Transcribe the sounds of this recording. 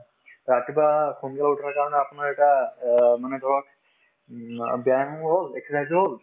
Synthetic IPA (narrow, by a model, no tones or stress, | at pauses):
ɹatibaxunkalautʰakaɹɔnɛapunaɹɛtamanɛdʱɔɹɔk̚ | bjanɔɦolɛkʰazɦol